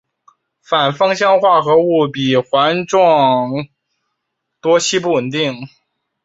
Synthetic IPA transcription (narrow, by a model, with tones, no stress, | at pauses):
fa˨˩nfɤ˥ŋɕjɑ˥ŋxwa˥˩xɤ˧˥u˥˩pi˨˩xwa˧˥nʈ͡ʂwɑ˥˧˩ŋŋ | t̪wɔ˥t͡ɕʰi˥pu˥˩wə˨˩nt̪i˥˩ŋ